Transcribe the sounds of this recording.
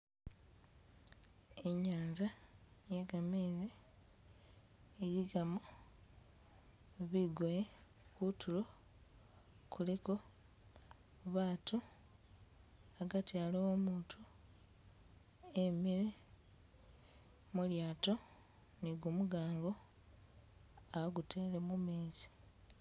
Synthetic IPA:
eɲaːnzajeɡameːze | ɾiɡamo | βiɡoje | kutʰulo | kʰuleko̞ | βaːtu | aɡatialoomuːtʰu | emiɾe | muljaːto̞ | niɡumuɡaːŋɡo̞ | aβaɡuteːlemumeːsi̥

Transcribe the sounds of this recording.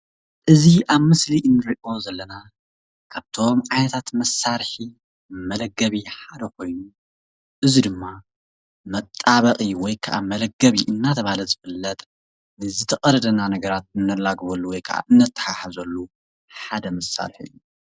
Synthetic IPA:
ʔɨziʔaβmɨsliʔɨnːɨɾiʔo̞zɐlːɐna | kʰaβt̪ʰo̞mʕajnɐt̪ʰat̪mɐsːaɾħi | mɐlɐɡːɐβiħad̪ɐkʰo̞jnu | ʔɨzid̪ɨmːa | mɐt̪ʼːaβɐqʼiwɔjkʰɐʔa̰mɐlɐɡːɐβiʔɨnːat̪ʰɐβahlɐzɨfɨlːɐt̪ʼ | nɨzɨt̪ʰɐkʼɐɾɐd̪ɐnanɐɡɐɾat̪̚ɨnːɐlaɡβɐlːuwɔjkʰɐʔa̰ʔɨnːɐt̪ʰːɐ̥ħaħazɐlːu | ħad̪ɐmɐsːa̰ɾħɨ̰jːu

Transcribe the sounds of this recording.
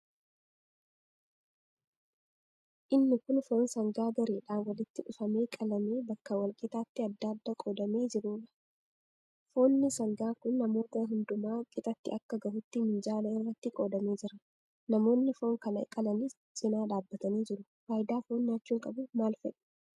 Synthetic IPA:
ʔɪnːɪkʊnfo̞ːnsɐŋɡaːɡɐɾeːᶑaːnwɐlɪt̪ːɪʔʊfɐme̞ːkʼɐlɐmeːbɐkːɐwɐlkʼɪt̪aːt̪ːɪɐd̪ːaːd̪ːakʼoːd̪ɐme̞ːd͡ʒɪɾuːᶑɐ̥ | fo̞ːnːɪsɐŋɡaːkʊnːɐmo̞ːt̪ɐɦʊnd̪ʊmaːkʼɪt̪ʼɐt̪ːɪɐkːɐɡɐhʊt̪ːɪmɪnd͡ʒaːlɐɪrːɐt̪ːɪkʼo̞ːd̪ɐme̞ːd͡ʒɪɾɐ | nɐmo̞ːnːɪfo̞ːŋkɐnɐɪkʼɐlɐni | sʼɪnaːᶑaːbːɐt̪ɐniːd͡ʒɪɾʊ̥ | waːjd̪aːfoːnːaːt͡ʃːuːŋkʼɐbʊmaːlfɛᶑɐ̥

